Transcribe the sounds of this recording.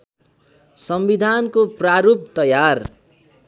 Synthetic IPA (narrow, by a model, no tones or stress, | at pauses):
sʌmbid̪ʱankopraɾub̚t̪ʌjar